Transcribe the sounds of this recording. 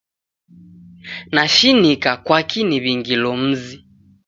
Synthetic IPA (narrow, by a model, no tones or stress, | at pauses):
naʃinikakwakiniβiŋɡilɔm̩zi